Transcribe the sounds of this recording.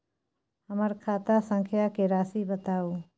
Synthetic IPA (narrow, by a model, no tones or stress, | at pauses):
həməɾkʰaːt̪asə̃ŋkʰjakeɾaːsibət̪aːoː